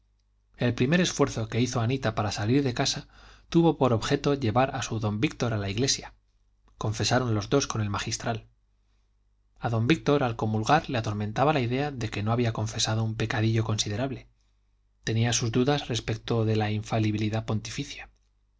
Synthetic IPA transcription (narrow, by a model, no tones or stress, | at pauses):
e̞lpɾime̞ɾe̞sfwe̞ɾθo̞ke̞iθo̞anit̪apaɾasaliɾðe̞kasat̪uβo̞po̞ɾo̞βxe̞t̪o̞ʝe̞βaɾasuðo̞mbikt̪o̞ɾalaiɣle̞sja | ko̞ɱfe̞saɾo̞nlo̞zðo̞sko̞ne̞lmaxist̪ɾal | aðo̞mbik̚t̪o̞ɾalko̞mulɣaɾle̞at̪o̞ɾment̪aβalaiðe̞aðe̞ke̞no̞aβiako̞ɱfe̞saðo̞umpe̞kaðiʎo̞ko̞nsiðe̞ɾaβle̞ | t̪e̞niasuzd̪uðasre̞spe̞k̚t̪o̞ðe̞laiɱfaliβiliðapo̞nt̪ifiθjḁ